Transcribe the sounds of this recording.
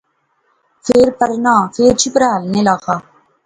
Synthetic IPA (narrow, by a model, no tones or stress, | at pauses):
feːɾpɐɾnaːfeːɾt͡ʃipɾaːlnelaːxa